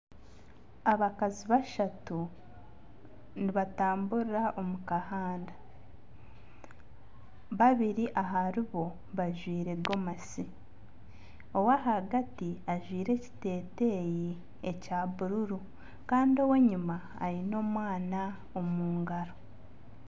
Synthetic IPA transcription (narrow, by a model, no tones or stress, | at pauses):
aβakaziβaʃatu | niβataːmbuɾiɾaʔo̞mukahaːnda | βaβiɾiʔaɦaɾiβo̞ | βaʒwiːɾe̞ɡo̞masi | o̞waɦaɡatiaʒwiːɾe̞ci̥te̞ːte̞ji | ecaːβuɾuɾu | kaːndio̞we̞ɲuma̰ːɾino̞ːmwaːna | omuːŋɡaɾo